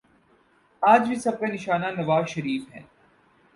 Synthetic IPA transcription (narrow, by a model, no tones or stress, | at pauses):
aːd͡ʒbʱisɐb̚kenɪʃaːnanɐʋaːzʃɐɾiːfɦɛ̰̃ː